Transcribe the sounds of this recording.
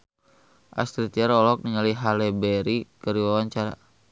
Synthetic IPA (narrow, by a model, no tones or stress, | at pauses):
ʔa̰st̪ɾit̪iaɾɔlɔk̚niŋaliɦalɛbɛɾikəɾiwawaɲt͡ʃaɾa̰